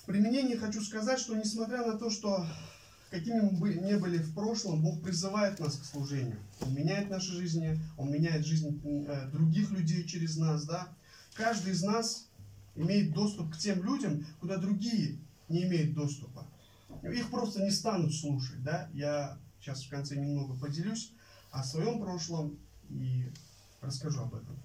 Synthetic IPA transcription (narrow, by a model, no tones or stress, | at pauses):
pɾʲɪmʲɪnʲenʲɪjɪxɐt͡ɕuskɐzatʲʂt̪o̞nʲɪsmɐt̪ɾʲanɐt̪o̞ʂt̪o̞ | kɐkʲimʲɪmɨbɨnʲe̞bɨlʲɪfpɾo̞ʂlˠəmbo̞xpɾʲɪzɨvajɪt̪naskslˠʊʐɛnʲɪ̰jʊ̰o̞̰nmʲɪnʲæjɪt̪naʂɨʐɨzʲnʲɪo̞nmʲɪnʲæjɪt̪ʐɨzʲnʲd̪ɾʊɡʲixlʲʉdʲejt͡ɕɪɾʲɪznasd̪a | kaʐd̪ɨjɪznasɪmʲejɪt̪̚d̪o̞st̪ʊp̚ktʲe̞mlʲudʲəmkʊd̪ad̪ɾʊɡʲijə | nʲɪːmʲejʊt̪̚d̪o̞st̪ʊpə | nṵixpɾo̞st̪ənʲɪst̪anʊt̪slˠuʂət̚ʲd̪ajaɕasfkɐnt̪sɛnʲɪmno̞ɡəpədʲɪlʲusʲ | ɐsvɐjo̞mpɾo̞ʂlˠəmi | rəskɐʐuɐ̰bɛ̰t̪əm